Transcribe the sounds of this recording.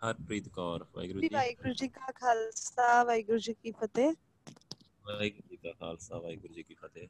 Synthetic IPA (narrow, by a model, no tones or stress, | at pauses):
həɾpɾiːt̪kɔːɾʋa̰ːiɡɾuiːʋaːiɡʊɾd͡ʒiːkaːkʰaːlsaːʋaːiɡʊɾd͡ʒiːkiːpʰət̪eː | ʋaːiːɡʊɾd͡ʒiːkaːkʰa̰ːlsaːʋaːiːɡʊɾd͡ʒiːkiːpʰət̪eː